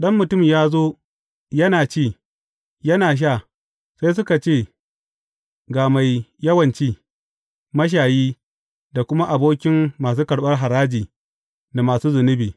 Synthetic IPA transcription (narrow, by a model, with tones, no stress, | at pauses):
ɗɐ˦mːʊ˨tʊ˦˨mjaː˦zoː˦ | jɐ˦naː˨t͡ʃiː˦˨ | jɐ˦naː˨ʃ̬aː˦˨ | sa˦js̬ʊ˦ka˨t͡ʃeː˦˨ | ɡaː˨ma˨jjɐ˦wɐ˨nt͡ʃiː˦ | mɐ˦ʃ̬aː˨jiː˦ | da˨kʷʊ˦ma˦ʔa˨boː˦kʲɪ˦mːaː˨s̬uː˦kɐ˨ɽɓɐ˦rɦa˨ɾaː˦d͡ʒiː˨ | na˨maː˨suː˦zʊ˨nɪ˦biː˨